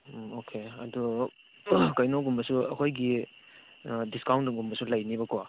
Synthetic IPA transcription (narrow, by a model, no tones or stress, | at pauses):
okʰeɐdu | kajnoɡumbɐsuɐkʰojɡi | diskawntɡumbɐsulajnibɐkʰwa